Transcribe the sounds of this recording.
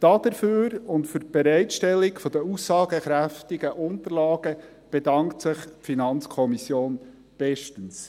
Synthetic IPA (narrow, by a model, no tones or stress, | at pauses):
d̥ɑd̥̪əɾføːɾʊntfʏɾ̚b̥ɛɾɛɪtʃtɛlːikfɔd̥əusːɑːɡ̥əχɾæftɪɡəʔʊnt̪əɾlɑːɡ̥ə | b̥edɑŋktsɪχpfinɑnt͡skʰɔmisjoːn | b̥ɛʃtəns